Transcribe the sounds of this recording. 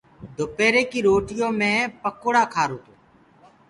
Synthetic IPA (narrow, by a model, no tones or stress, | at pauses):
d̪ʱopeːɾeːkiːɾoːʈɪjõːmẽːpəkoːɽaːkʰaːɾoːt̪oː